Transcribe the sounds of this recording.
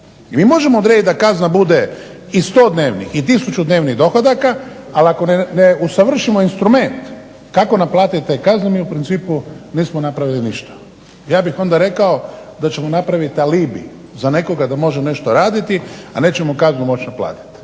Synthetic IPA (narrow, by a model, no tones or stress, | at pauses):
imiːmo̞ʒemoːd̪ɾedit̪d̪akaznabud̪e̞ | ist̪o̞ːd̪ne̞ːʋnḭxit̪isut͡ʃud̪ne̞ːʋniɣd̪o̞xod̪akaaliako̞neneusaʋr̩ʃimo̞inst̪ɾume̞nt̪ | kako̞naplˠaːt̪it̪ekaznemiːupɾint̪siːpuniːsmonapɾaʋiliniʃt̪ḁ | jaːbixo̞nd̪aɾe̞kao̞d̪at͡ʃe̞mo̞napɾaʋit̪aliːbḭ | zane̞ko̞ɡad̪amo̞ʒeone̞ʃt̪oɾaːd̪it̪ia̰ne̞ːt͡ʃe̞mokaznumo̞t͡ʃnaplˠa̰ːt̪i̥t̪